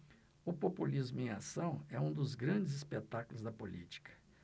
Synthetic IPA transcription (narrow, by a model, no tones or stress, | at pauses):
ʊpopulizmʊẽasɐ̃w̃ɛũd̪ʊzɡɾɐ̃d͡ʒɪzispet̪akʊlʊzd̪ɐpolḭt͡ʃi̥kʰɐ̥